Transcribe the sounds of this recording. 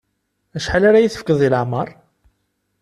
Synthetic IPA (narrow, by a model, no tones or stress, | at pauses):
æʃħalaɾajiθəfkːəðˤiləʕmɑɾˤ